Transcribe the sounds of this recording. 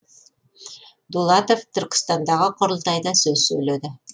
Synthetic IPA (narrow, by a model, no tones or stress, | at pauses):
d̪ulˠɑt̪oft̪ŏɾqə̥̆st̪ɑnd̪ɑʁɤqŏɾɤ̆lˠt̪ɑjd̪ɑsɵzsɵjlæd̪ɘ